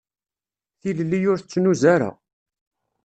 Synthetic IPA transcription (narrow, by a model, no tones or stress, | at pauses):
θillːijʊɾθət͡sːnuzaɾa̰